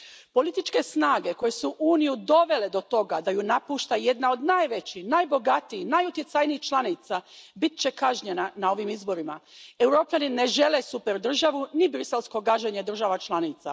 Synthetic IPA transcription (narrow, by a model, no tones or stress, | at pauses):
po̞lit̪it͡ʃke̞snaːɡe̞ko̞je̞suʔuːnijud̪o̞ʋe̞le̞d̪o̞t̪o̞ɡad̪ajunapuːʃt̪aje̞d̪nao̞d̪najʋe̞t͡ɕihnajbo̞ɡat̪iinajut̪jet̪sajniixt͡ʃlˠanit̪sabit̪̚t͡ɕe̞kaʒɲenanao̞ʋimizbo̞ɾima̰e̞wɾo̞ːpʎanine̞ʒe̞le̞supe̞ɾd̪r̩ʒaʋunibɾise̞lsko̞ɡaʒeɲe̞d̪r̩ʒaʋat͡ʃlˠanit̪sa̰